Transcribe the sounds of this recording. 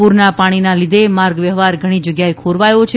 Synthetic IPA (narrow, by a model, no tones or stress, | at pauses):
uɾnapaɽ̃inalid̪emaɾɡʋjəɦʋaɾɡʱəɽ̃id͡ʒəɡjaekʰoɾʋajot͡ʃʰe